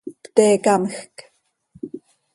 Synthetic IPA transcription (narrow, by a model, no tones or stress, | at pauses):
pt̪eːkaməxk